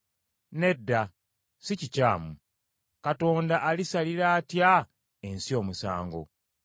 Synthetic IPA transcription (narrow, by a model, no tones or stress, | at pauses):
ne̞dːa | sicicaːmu | kato̞ːndaʔːlisaliɾaːtja | ensio̞ːmusa̰ːŋɡo̞̰